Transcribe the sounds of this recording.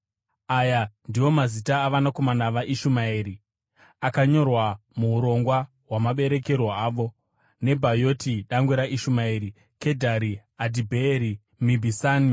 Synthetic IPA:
ajandiwo̞mazitaːʋanako̞manaʋaʔiʃumaiːɾi | akaɲo̞rwamuuɾo̞ŋɡwa | ɦwamaɓe̞ɾe̞ke̞rwoaːʋo̞ | ne̞bʱajo̞tiɗaŋɡwuɾaʔiʃumaiːɾi | ke̞dʱaɾiadibʱeɾi | mibʱisani

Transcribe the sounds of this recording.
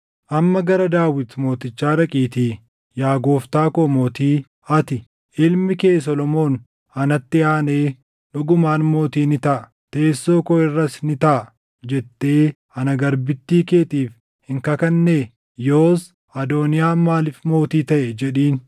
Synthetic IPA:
ʔɐmːɐɡɐɾɐd̪aːwɪt̪mo̞ːt̪ɪt͡ʃːaːɾɐkʼiːt̪iː | jaːɡo̞ːft̪aːkoːmo̞ːt̪iː | ɐt̪ɪ | ʔɪlmɪke̞ːs̬ɔlɔmo̞ːn | ɐnɐt̪ːɪaːne̞ː | ᶑʊɡʊmaːnmo̞ːt̪iːnɪt̪ɐʔɐ | t̪e̞ːsːo̞ːkɔɪrːɐsnɪt̪ɐʔɐ | d͡ʒɛt̪ːeː | ɐnɐɡɐɾbɪt̪ːiːke̞ːt̪iːf | hɪŋkɐkɐnːeː | joːs | ɐd̪o̞ːnɪjaːmaːlɪfmo̞ːt̪iːt̪ɐʔɛd͡ʒɛᶑiːn

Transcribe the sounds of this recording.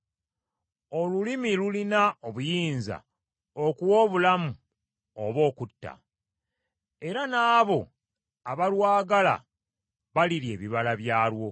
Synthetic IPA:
o̞lulimilulinaoβujiːnza̰ | okuwo̞ːβulamu | o̰βo̞ːkutːa̰ | e̞ɾanaːβo̞ | aβalwaːɡala̰ | βaliɾje̞ːβiβalaβjaːlwo̞

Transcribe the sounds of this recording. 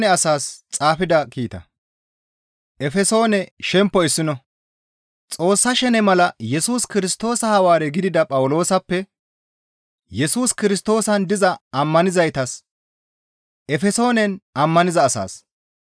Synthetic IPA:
nɛɐsaːst͡sʼaːfɪd̪ɐkiːt̪ɐ̰ | ʔɛfɛso̞ːnɛʃɛmpːɔɪsːɪnɔ | t͡sʼo̞ːsːɐʃɛnɛmɐlɐjɛsuːskɪɾɪst̪o̞ːsɐhɐwaːɾɛɡɪd̪ɪd̪ɐpʼɐwʊlo̞ːsɐpːɛ | jɛsuːskɪɾɪst̪o̞ːsɐnd̪ɪzɐɐmːɐnɪzɐjt̪ɐs | ʔɛfɛso̞ːnɛnɐmːɐnɪzɐːsa̰ːs

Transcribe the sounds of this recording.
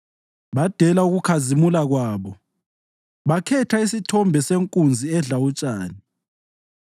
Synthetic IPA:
βad̥ʱɛlauɣukʰazimulaɣwaːβɔ | βakʰɛtʰaisitʰɔmbʱɛseŋkʼund͡zʱiɛɮawut͡ʃʼaːni

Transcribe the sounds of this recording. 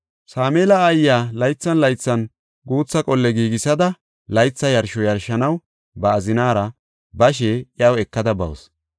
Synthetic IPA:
saːmeːlɐːjːaːlɐjt͡sːɐnlɐjt͡sːɐn | ɡuːt͡sːɐkʼɔlːɛɡiːɡɪsɐd̪ɐ | lɐjt͡sːɐjɐɾʃɔjɐɾʃːɐnɐw | bɐːzɪnaːɾɐ | bɐʃ̬eːɪjɐwɛkːɐd̪ɐbɐ̰ws

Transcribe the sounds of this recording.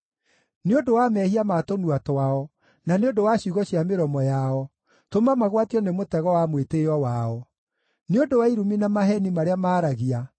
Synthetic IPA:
neodowamɛhiamatonuatɔwaɔ | naneondowaɕuɣɔɕjameɾɔmɔjaɔ | tomamaɣwatiɔnemotɛɣɔwamweteɔwaɔ | neodowaiɾuminamaɦɛnimaɾeamaːɾaɣia

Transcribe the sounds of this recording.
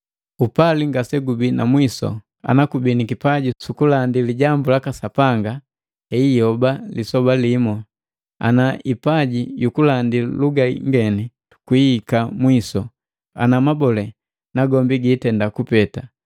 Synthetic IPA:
upaliŋɡasɛɡubinamwisɔ̰ | a̰nakubinikipaɟisukulandiliɟambulakasapaŋɡa | hɛijɔbalisɔbalimɔ | a̰naʔipaɟijukulandiluɡa̰ŋɡɛni | tu̥kwiːkamwisɔ | a̰namabɔlɛ | naɡɔmbiɡiːtɛndakupɛta

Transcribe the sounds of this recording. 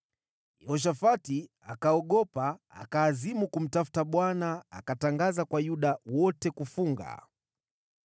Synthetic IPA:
ɛɔʃ̬afati | akaɔɠɔpa̰ːkaːzimukum̩tafu̥taɓwanaakataŋɡazakwajuɗawɔtɛkufuŋɡa̰

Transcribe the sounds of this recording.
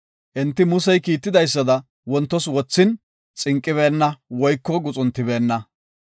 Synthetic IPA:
ʔɪnt̪ːɪmʊsɛjkiːt̪ːɪd̪ɐjs̬ːɐd̪ɐ | wɔnt̪ːɔswɔt͡sːɪn | t͡sʼɪŋkʼːɪβeːnːɐwɔjkːɔɡʊt͡sʼʊnt̪ːɪbe̞ːnːɐ

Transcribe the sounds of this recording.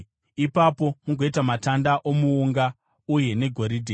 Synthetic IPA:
ipapo̞muɡo̞itamatandaʔomuŋɡa | uje̞ne̞ɡʱo̞ɾidʱe

